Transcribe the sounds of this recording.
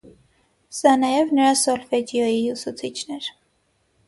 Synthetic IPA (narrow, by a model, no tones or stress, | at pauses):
sɑnɑjɛvnəɾɑsɔlfɛd̪jɔjiusut͡sʰit͡ʃʰnɛɾ